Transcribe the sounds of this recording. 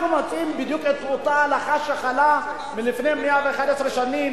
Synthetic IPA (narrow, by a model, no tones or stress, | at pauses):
numatimbid̪juket̪ot̪aːlaχaʃaχala | milifnejmeaveeχad̪esɾeʃanim